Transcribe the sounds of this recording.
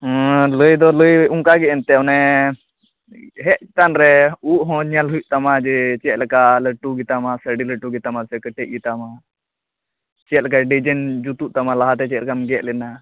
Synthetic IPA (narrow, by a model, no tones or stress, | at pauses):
ləjd̪ɔləjuŋkaɡɛɛnt̪ɛɔnɛ | ɦɛʔ̚t͡ʃi̥t̪anɾɛuʔɦɔ̃ɲalɦujuʔt̪amad͡ʒɛt͡ʃɛt̪̚lɛkaləʈuɡit̪amasəɖiləʈuɡit̪amasɛkəʈɛʔ̚jut̪ama | t͡ʃɛt̪̚lɛk̬aɖid͡ʒənd͡ʒut̪uʔt̪amalaɦat̪ɛt͡ʃɛt̪lɛkamɡɛʔlɛna